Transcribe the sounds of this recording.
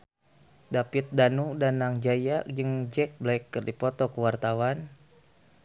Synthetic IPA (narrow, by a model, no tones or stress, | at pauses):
dapit̪̚danudanːaŋd͡ʒajad͡ʒəŋd͡ʒɛk̚blaɛkːərdipɔt̪ɔkəwart̪awan